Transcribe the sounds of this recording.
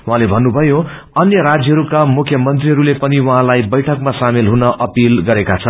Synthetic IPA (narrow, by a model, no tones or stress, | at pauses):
wuɦãlebʱʌnːubʱʌjo | ʌnjʌɾad͡zjʌɦʌɾukamukʰjʌmʌnt̪riɦʌɾulepʌniwʌɦãlajbʌjʈʰʌkmasamilɦunʌʔʌpilɡʌɾekat͡sʰʌn